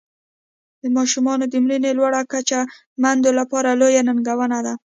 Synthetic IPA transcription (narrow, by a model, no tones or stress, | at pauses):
d̪əmɑʃumɑnod̪əmɽinelwaɽakat͡ʃa | mand̪olapɑɾalojanaŋɡawənad̪a